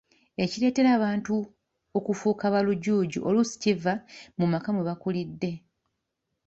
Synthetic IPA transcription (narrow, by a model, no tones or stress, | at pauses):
e̞ciɾe̞ːte̞ɾaːβaːntu | o̞kufuːkaβaluɟuːɟṵʔolusi̥civamumakamuβakulidːe̞